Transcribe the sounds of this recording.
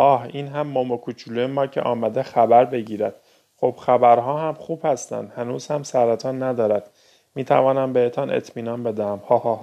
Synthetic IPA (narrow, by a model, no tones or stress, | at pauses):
ʔɒːhiːnɦæmːomokʰut͡ʃʰulujemɒːcʰḛʔɒːmæd̪exæbæɾbe̞ɟiːɾæd̪̥ | χob̥xæbæɾɦɒːhæmχuːb̥hæst̪æ̰nd̪hænuːz̥hæmsæɾæt̪ʰɒːnːæd̪ɒːɾæd̪̥ | miːt̪ʰæ̰vɒːnæmbe̞het̪ʰɒnʔḛt̪ʰmiːnɒːnbe̞d̪ææmhɒːhɒh